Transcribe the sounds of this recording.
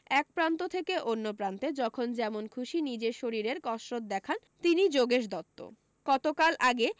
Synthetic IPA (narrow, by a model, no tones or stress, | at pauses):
ɛk̚pɾant̪ot̪ʰekeʔonːopɾant̪ed͡ʑɔkʰond͡ʑɛmonkʰuʃinid͡ʑeʃoɾiɾeɾkɔʃɾot̪̚d̪ɛkʰan | t̪inid͡ʑoɡeʃd̪ɔt̪ːo̰ | ɡ̥ɔt̪okalʔaɡe